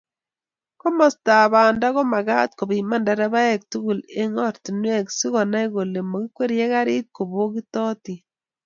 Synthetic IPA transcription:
ko˦mɔ˨sta˨ba˨nda˦ɣɔ˦ma˨ɡa˦t̚ko˨bi˨ma˦nda˨ɾɛ˦ba˦ɛ˨k̚tu˦ɡu˨le˦ŋɔ˦ɾti˨nwɛ˦ksi˦ɣɔ˨na˦i˦ɣo˨le˨mo˨ɡi˦kwe˦ɾjɛ˦ka˦ɾi˦t̚ko˨bo˦ɡi˦tɔ˦ti˨

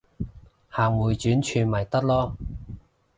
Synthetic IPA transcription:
haː˨ŋwuː˨˧jt͡ʃyː˨˥nt͡ʃʰyː˧mɐ˨˩jt̪ɐ˥k̚lɔː˥

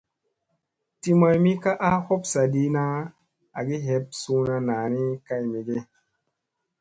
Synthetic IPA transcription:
ti˦ma˧jmi˦ka˦ʔa˦ho˦psa˨di˦na˦ | a˨ɡi˦ɦe˨˦p̚su˧na˧na˨ni˦ka˦jmi˨ɡe˦

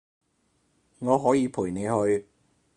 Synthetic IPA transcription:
ŋɔː˨˧ɦɔː˨˥jiː˨˧pʰuː˨˩jne˨˧jhɵ˧ɥ

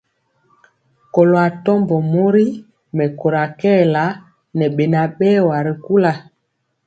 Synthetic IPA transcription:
ko˨lo˨a˨tɔ˦mbɔ˨mo˦ɾi˦ | mɛ˨ko˨ɾa˨kɛː˦˨la˨˦ | nɛ˨ɓe˨na˨ɓɛː˦˨wa˨ɾi˨ku˦la˨

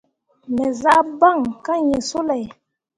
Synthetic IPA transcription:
mɛ˨za˦ba˦˨ŋka˦ɲe˨so˦lɛ˨

